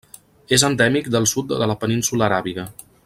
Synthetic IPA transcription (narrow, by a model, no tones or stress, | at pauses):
ezənd̪ɛmik̚d̪əlˠsut̪̚ðələpəninsuləːɾaβiɣə